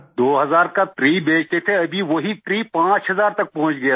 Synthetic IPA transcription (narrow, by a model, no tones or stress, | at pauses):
d̪oːɦɐzaːɾkat̪ɾiːbeːt͡ʃt̪et̪ʰeɐbʱiʋoɦit̪ɾiːpãːt͡ʃɦɐzaːɾt̪ɐk̚pɐ̃ɦʊ̃t͡ʃɡɐja